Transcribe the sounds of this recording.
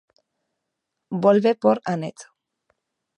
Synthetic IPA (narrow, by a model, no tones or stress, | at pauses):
bolβepoɾanet͡s̪